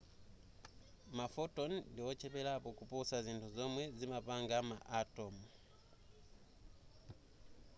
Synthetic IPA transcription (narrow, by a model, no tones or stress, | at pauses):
mafɔtɔndiwɔt͡ʃɛpɛlapɔkupɔsazintʰuzɔmwɛzimapaŋɡamaʔatɔmu